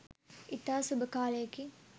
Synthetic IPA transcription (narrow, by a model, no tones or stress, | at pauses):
it̪aːsubəkaːlejəki